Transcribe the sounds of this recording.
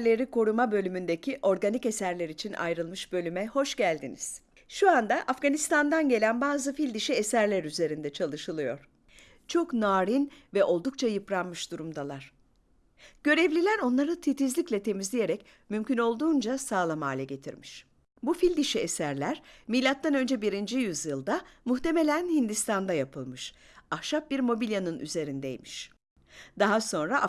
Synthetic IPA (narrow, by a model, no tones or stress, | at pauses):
lʲe̞ɾikʰo̞ɾumabø̞lʲymynd̪e̞cʰiʔo̞ɾɡanice̞sæɾlʲeɾit͡ʃʰinʔa̰jɾɯlˠmɯʃbø̞lʲymɛho̞ʃɟælʲd̪ḭnḭz̥ | ʃuand̪aʔafɡanist̪and̪anɟe̞lʲænbaːzɯfilʲd̪iʃiesæɾlʲæɾyze̞ɾind̪ɛt͡ʃʰalˠɯʃɯlˠɯjo̞ɾ̥ | t͡ʃʰo̞knaːɾinvɛʔo̞lˠd̪uk̚t͡ʃʰajɯpɾanmɯʃd̪uɾumd̪alˠaɾ̥ | ɟ̥ø̞ɾɛvlʲilʲæɾo̞nlˠaɾɯt̪ʰit̪izlʲicʲlʲɛt̪ʰe̞mizlʲije̞ɾɛc | mymcʰyno̞lˠd̪uːnd͡ʒasaːlˠamaːlʲɛɟe̞t̪ʰḭɾmiʃ | bufilʲd̪iʃiesæɾlʲæɾmijlʲat̪ʰːanø̞nd͡ʒɛbiɾind͡ʒijyzjɯlˠd̪amuxt̪e̞me̞lʲænhind̪ist̪ʰand̪ajapʰɯlˠmɯʃahʃap̚biɾmo̞bilʲjanɯnʔy̰ze̞ɾind̪ḛjmiʃ | d̪aɦaso̞nɾaʔ